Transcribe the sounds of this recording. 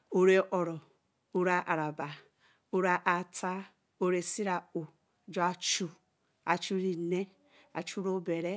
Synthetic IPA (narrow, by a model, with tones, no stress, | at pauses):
o˨ɾe˦ʔɔ˨ɾɔ˨ | o˦ɾa˨ʔa˨ɾa˨ba˨ | o˦ɾa˨ʔa˨tʰa˦ | o˦ɾe˨si˦ɾa˨o˨ | d͡ʒo˦a˨t͡ʃu˨ | a˨t͡ʃu˦ɾi˨ne˦ | a̰˨t͡ʃu˦ɾo˦be˨ɾe˦